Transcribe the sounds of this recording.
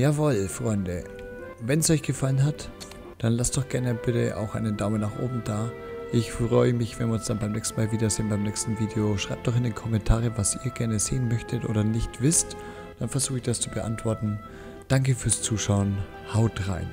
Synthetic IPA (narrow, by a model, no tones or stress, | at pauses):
jaːvɔlfʁ̥ɔʏndə | vɛnsʔɔʏçɡ̥əfalənɦat | d̥anlastd̥ɔχɡ̥ɛɐnəb̥ɪtə̰ʔa̰ʊxʔa̰ɪnədaʊmənaːχʔo̰ːbm̩daː | ʔɪçfʁ̥ɔʏəmɪçv̥ɛnviɐʊnsd̥anbaɪmnɛːkstn̩maːlviːdɐzɪːnbaɪmnɛːkstn̩viːdeoʃʁ̥aɪp̚d̥ɔχɪndeːnkʰɔmɛntʰaːʁəvasiːɐɡɛɐnəzḛːənmœçtʰətʔo̰ːɾɐnɪçtv̥ɪst | d̥anfɛɐzuːxɪçd̥ast͡subəʔa̰ntv̥ɔɐtn̩ | d̥aŋkəfyːɐst͡suːʃaʊən | haʊtʁa̰ɪn